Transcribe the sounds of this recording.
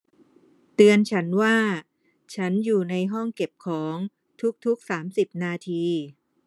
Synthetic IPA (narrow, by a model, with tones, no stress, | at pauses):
t̪ɯ˧ənt͡ɕʰa˦˥nwaː˥˩ | t͡ɕʰa˦˥njuː˨˩na˧jɦɔ˥˩ŋke˨˩p̚kʰɔː˩˦ŋ | t̪ʰu˦˥k̚t̪ʰu˦˥k̚saː˩˦msi˨˩p̚naː˧t̪ʰiː˧